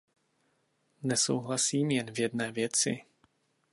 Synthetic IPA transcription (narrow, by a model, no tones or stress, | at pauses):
nɛso̰wɦlasiːmjɛnvjɛdnɛːvjɛt͡sɪ̰